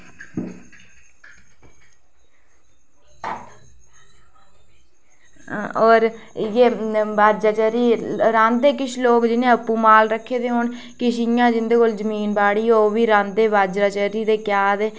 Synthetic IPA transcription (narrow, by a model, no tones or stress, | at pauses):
oːɾjeːbaːd͡ʒɾaːt͡ʃəɾiːɾãːnd̪eːkɪʃloːkd͡ʒɪnẽːəpːuːmaːlɾəkʰːeːd̪eːɦoːɳ | kɪʃjãːd͡ʒɪnd̪eːkold͡ʒəmiːnbaːɽiːoːʋiːɾãːnd̪eːbaːd͡ʒɾaːt͡ʃəɾiːd̪eːkjaːd̪eː